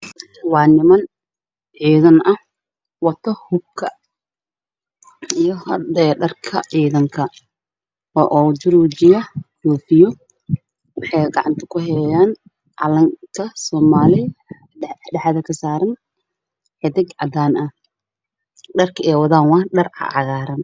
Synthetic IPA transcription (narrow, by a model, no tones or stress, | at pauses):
wɑːnɪmɐn | ʕiːðɐnʔɐh | wɑt̪ʰɐhʊb̚kʰɐ | ijɔhɐd̪ɛɖɐrkʰɐ̰ʕiːðɐŋkʰɐ | ɔːʔɔːd͡ʒʊɾuːd͡ʒɪjɐhuːfɪjɔ | wɑħɑjɡɑʕɑnt̪ʰɐ̥kʰʊɦɛlɛjaːn | ʔɑ̰lɐŋkʰɐsɔːmaːlɪ | ɖɛħɑðɐkʰɐsaːɾɐn | hɛd̪ɪɡʕɑ̰d̪aːnɐh | ɖɐrkʰɐɛːwɐðaːnwɑhɖɐrʕɑ̰ʕɑɣaːɾɐn